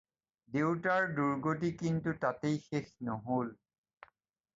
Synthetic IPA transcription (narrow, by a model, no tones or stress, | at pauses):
dewtaɹduɹɡot̬ikintutatejxexnɔɦol